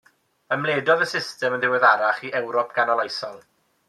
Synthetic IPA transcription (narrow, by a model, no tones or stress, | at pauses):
əmlˠeːdɔðəsɪstɛmənðɪwɛðaɾaχiʔɛwɾɔp̚ʰɡ̥anɔlˠajsɔlˠ